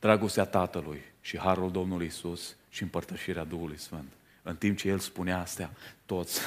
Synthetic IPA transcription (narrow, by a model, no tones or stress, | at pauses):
d̪ɾaɡo̞st̪eat̪at̪əlujʃihaɾuld̪o̞mnulujisusʃiɨmpərt̪əʃiɾead̪uhulujsfɨnt̪ | ɨnt̪imp̚t͡ʃe̞je̞lspuneast̪eat̪o̞t̪sʲ